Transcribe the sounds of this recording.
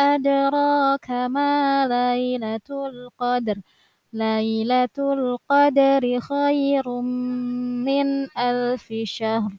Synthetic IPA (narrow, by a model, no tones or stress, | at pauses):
ʔad̪ɾˤɑkamaːlajlat̪lqɑd̪ɾ | lajlat̪lqɑd̪aɾɪxajɾ | ɪnʔalfɪʃahɾ